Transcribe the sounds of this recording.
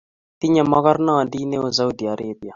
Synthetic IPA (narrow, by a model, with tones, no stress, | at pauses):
t̪i˦ɲa˨mːa˦ɣa˦ɾna˦wa˨ndi˦ne˦o˦za˦u˦˨d̪i˨a˨ɾe˦bi˨a˨